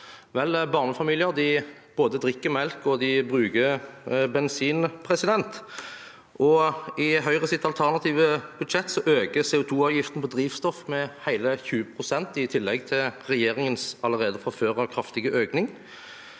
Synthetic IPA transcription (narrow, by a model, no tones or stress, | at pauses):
ʋɛlbɑʁnəfɑmiːlɪəʁd̪ɪb̥oːd̪əd̪ʁɪkːəmɛlkɔd̪ɪbʁʉːɡəbɛnsiːnpʰʁɛsɪd̪ɛnt̪ | ʔɔɪɦœʏʁəsɪt̪ːɑlt̪ʰæʁnɑt̪ʰiːʋəb̥ʉd̪ʃɛt̪ːsɔʔøːɡəseːʊt̪ʰuːɑʋjɪft̪ənpʰɔd̪ʁiːʋst̪ɔfmɛhæɪləçʉːəpʰʁʊsɛnt̪ɪt̪ʰɪlːɛɡt̪ʰɪlʁɛjeːʁɪŋənsɑləʁeːd̪əfɔføːʁəkʰʁɑft̪ɪɡəʔøːknɪŋ